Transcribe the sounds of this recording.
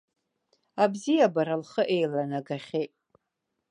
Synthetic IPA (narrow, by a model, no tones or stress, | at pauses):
abzijabaɾalχəʔe̞jlanaɡaχʲejtʼ